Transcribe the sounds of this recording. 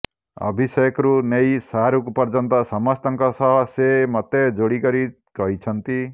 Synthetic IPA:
ɔ̰bʱisɔjɔkɔɾunejsaɦaɾukupɔɾd͡ʒɔnt̪ɔsɔmɔst̪ɔŋkɔsɔɦɔsemɔt̪ed͡ʒoɽikɔɾi | kɔɦit͡ʃʰɔnt̪i

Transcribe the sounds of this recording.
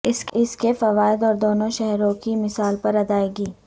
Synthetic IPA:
ɪsɪskefɐʋaːɪd̪ɔːɾd̪oːnõʃɛɦɾõkimɪsaːlpɐɾɐd̪aːeːɡiː

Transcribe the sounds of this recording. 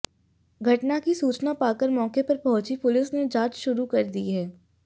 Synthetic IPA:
ɡʱɐʈnakisuːt͡ʃnapaːkəɾmɔːkepɐɾpɐɦʊt͡ʃipʊlɪsned͡ʒaːt͡ʃʃʊɾukɐɾd̪iɦɛː

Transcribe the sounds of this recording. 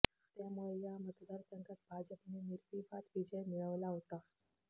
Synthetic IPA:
t̪jamuɭeljamət̪d̪aɾsəŋɡʱat̪̚bʱad͡ʑəpneniɾpibat̪ʋid͡ʑəjmiɭəʋlaɦot̪a

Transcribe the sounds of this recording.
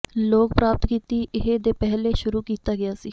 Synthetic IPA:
loːk̚pɾaːp̚t̪kiːt̪iːʔɪɦed̪eːpɛɦleːʃʊɾuːkiːt̪aːɡɪjaːsiː

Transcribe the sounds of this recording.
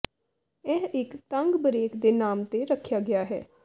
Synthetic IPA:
ɛːɪkt̪ə̃ŋɡbəɾeːkd̪eːnaːmt̪eːɾəkʰːjaːɡɪjaːɦɛ̰ː

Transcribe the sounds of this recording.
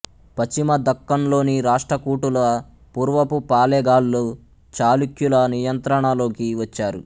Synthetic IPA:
pɐt͡ʃimɐd̪ɐkːɐnlo̞ːniɾaːʂʈɾɐkuːʈulɐ | puːɾʋɐpupaːlɛːɡaːlːoː | t͡ʃaːlukjulɐnijɐnt̪ɾɐɳalo̞ːkiʋɐt͡ʃːaːɾu

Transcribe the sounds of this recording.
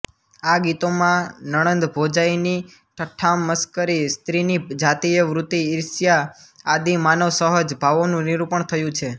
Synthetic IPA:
aɡit̪omãnəɽ̃ə̃nd̪bʱod͡ʒaini | ʈʰəʈʰːamːəskəɾist̪ɾinid͡ʒat̪ijəʋɾut̪iːɾsjaːd̪imanəʋsəɦəd͡ʒbʱaʋonũniɾupəɳt̪ʰəjũt͡ʃʰe

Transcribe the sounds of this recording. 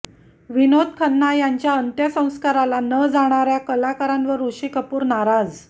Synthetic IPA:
ʋinod̪̚ʱkʰənːajaɲt͡ɕjaənt̪jəsə̃w̃skaɾalanəd͡zaɽ̃aɾjakəlakaɾãnʋəɾuɕikəpuːɾnaɾad͡z

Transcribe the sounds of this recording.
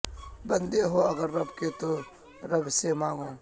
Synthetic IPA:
bɐ̃nd̪eɦoɐɡəɾːɐbket̪o | ɾɐbsemãːŋɡõː

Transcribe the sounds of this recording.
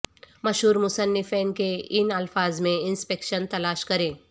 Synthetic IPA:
mɐʃɦuːɾmʊsənːɪfeːnkeɪnɐlfaːzmẽɪnspeːkʃənt̪ɐlaːʃkɐɾẽː

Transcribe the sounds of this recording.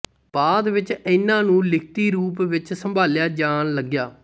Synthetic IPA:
baːd̪ʋɪt͡ʃɪnːãːnũːlɪkʰt̪iːɾuːp̬ʋɪt͡ʃsəmbʱaːljaːd͡ʒaːnləɡjaː

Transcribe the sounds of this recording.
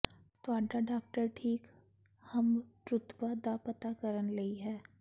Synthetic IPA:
t̪aːʈaɖaːk̚ʈəɾʈʰiːk | hɐmʈɾʊt̪bad̪apət̪akəɾənlɐiɦɛː

